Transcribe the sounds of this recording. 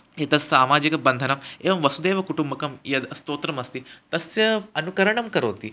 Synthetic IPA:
jet̪ɐsːaːmaːd͡ʑikɐbɐnd̪ʱənɐmeʋɐmʋɐsud̪eːʋɐkuʈumbɐkɐmjɐd̪st̪oːt̪ɾɐmɐst̪iːt̪ɐsjɐɐnukəɾɐɳɐmkɐɾoːt̪iː

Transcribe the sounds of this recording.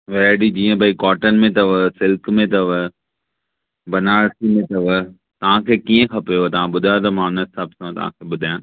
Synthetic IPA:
ʋɛɖid͡ʑiːə̃bʱaikɔːʈən̆mẽt̪ɐʋəsɪlkmẽt̪ɐʋə | bɐnaːɽsimẽt̪ɐʋə | t̪ɐʋ̤ãkʰeːkiːə̃kʰɐpjot̪ɐʋ̤ãɓʊd̪ʱajt̪̬ɐmãʊnəsaːbsɐ̃t̪ɐ̰ʋ̤ã̰kʰeːɓʊd̪ʱajãː

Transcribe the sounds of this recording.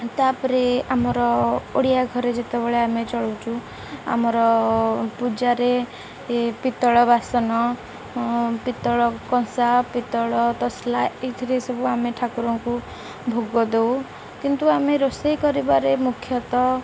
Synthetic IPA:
t̪apɔɾeamɔɾɔoɽijaɡʱɔɾed͡ʒet̪ɔbeɭeamet͡ʃɔɭɔt͡ʃʰu | a̰mɔɾɔpud͡ʒaɾe | pit̪ɔɭɔbasɔnɔ | pit̪ɔɭɔkɔ̃sapit̪ɔɭɔt̪ɔslaet̪ʰɾesɔbʱuameʈʰakuɾɔŋku | bʱoɡɔd̪ew | kint̪uameɾosejkɔɾibaɾemukʰjɔt̪ɔ

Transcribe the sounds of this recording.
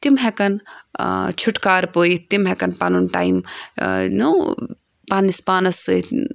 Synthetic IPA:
t̪imɦekɐn | t͡ʃʰuʈkaːɾpoːit̪imɦekɐnpanunʈa̰ːjm | nu | paːnispaːnɐsɨ

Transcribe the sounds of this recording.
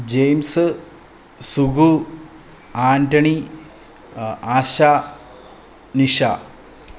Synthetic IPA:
d͡ʑejms | suɡu | aːnʈɐɳi | aːɕa | niʂa

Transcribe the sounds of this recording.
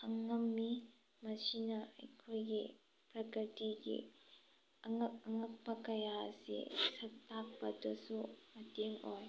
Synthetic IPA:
ɐŋːɐmːi | mɐsinɐɐ̰jkʰojɡi | pɾɐkɾətiɡḭ | ŋɐŋɐk̚pɐkɐjaɐ̰sḭsɐttːak̚pɐdusumɐteŋo̰j

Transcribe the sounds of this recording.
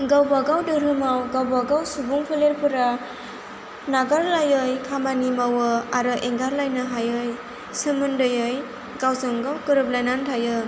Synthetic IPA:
ɡawbaɡawdɯɾɯmawɡawbaɡawsubuŋpʰɯleɾpʰɯɾa | naɡaɾlajɯjkʰamanimawɯaɾɯʔeŋɡaɾlajnɯɦajɯj | sɯmɯndɯjɯj | ɡawsɯŋɡawkɯɾɯp̚lajnantʰajɯ

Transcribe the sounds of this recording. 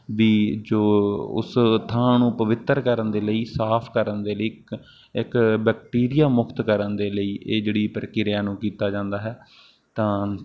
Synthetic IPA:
ʋiːd͡ʒoːʊ̰st̪ʰãːnũːpəʋɪt̪ːəɾkəɾənd̪eːləiːsaːpʰkəɾənd̪eːləiː | ɪkbɛːk̚ʈiːɾɪjaːmʊkʰt̪kəɾənd̪eːləiːʔeːd͡ʒeːɽiːpəɾkɪɾɪjaːnũːkiːt̪aːd͡ʒãːnd̪aːɦɛː | t̪ãː

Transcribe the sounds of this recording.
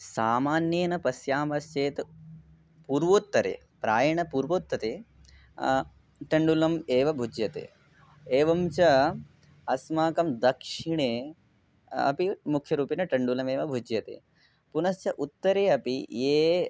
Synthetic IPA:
saːmaːnjeːnɐpɐsjaːmɐst͡ʃeːt̪ | puːɾʋoːt̪ːɐɾḛː | pɾaːjɐɳɐpuːɾʋoːt̪ːɐt̪eː | ʈɐɳɖulɐmeːʋɐbʱud͡ʒjɐt̪ḛː | eːʋɐmt͡ʃɐ | ɐsmaːkɐmd̪ɐkʂiɳeː | ɐ̰pimukʰjɐɾuːpinɐʈɐɳɖulɐmeːʋɐbʱud͡ʒjɐt̪ḛː | punɐst͡ʃɐʔut̪ːɐɾeːɐpijeː

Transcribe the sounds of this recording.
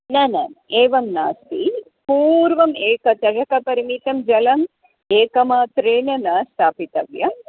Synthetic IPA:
nɐnɐ̰meːʋɐmna̰ːst̪i | puːɾʋɐmeːkɐt̪ɐd͡ʒɐkɐpɐɾimit̪ɐmd͡ʒɐlɐm | eːkɐmaːt̪ɾeːnɐnɐst̪ʰaːpit̪ɐʋjɐ

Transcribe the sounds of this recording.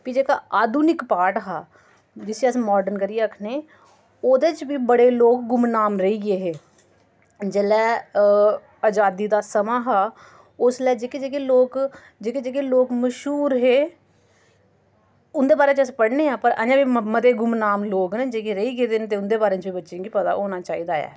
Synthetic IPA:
kid͡ʒeːkaːʔaːd̪uːnɪkpaːʈɦaː | d͡ʒɪsiəsmɔːɖəɾnkəɾijeːəkʰneː | oːd̪eːt͡ʃbiːbəɽeːloːkɡʊmnaːmɾəiːɡɪeːɦeː | d͡ʒelɛː | əd͡ʒaːd̪iːd̪aːsəmaːɦaː | ʊslɛːd͡ʒeːked͡ʒeːkeloːk | d͡ʒeːked͡ʒeːkeːloːkməʃɦuːɾɦeː | ʊnd̪eːbaːɾeːt͡ʃəspəɽneːãːpəɾa̰ːd͡ʒãːbiːmət̪eːɡʊmnaːmloːknẽd͡ʒeːkeɾəiːɡeːd̪enːt̪eːʊnd̪eːbaːɾẽːt͡ʃbiːbətːʃẽːɡipət̪a̰ːʔoːnaːt͡ʃaːiːd̪aːjɛ̰ː

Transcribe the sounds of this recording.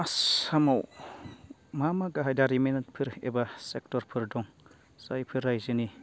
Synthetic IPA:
asamaw | mamaɡaɦajdaɾiment̚pʰɯɾḛbasek̚tɔɾpʰɯɾdɔŋ | sajpʰɯɾajzɯni

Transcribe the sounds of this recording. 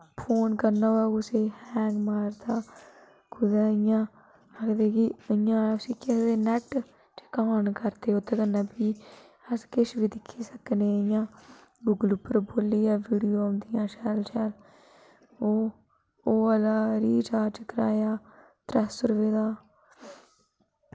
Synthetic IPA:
pʰoːnkəɾnaːaːkʊseːhɛːŋɡmaːɾt̪aː | kʊd̪aːɪjãː | əkd̪eːkɪəjãːsiːkesd̪eːnɛʈ | t͡ʃe̥kaːnkəɾt̪eːot̪ʰːeːkənːãːpiː | əskɪʃʋiːd̪ɪkʰːiːsəkneːəjãː | ɡʊɡəlʊpːəɾboːlːiːaːʋiːɽijoːʊ̃nd̪ɪjãːʃɛːlʃɛːl | oː | oːəlaːɾiːd͡ʒaːt͡ʃəkəɾa̰ːjaː | t̪ɾɛːsːʊɾʋeːd̪aː

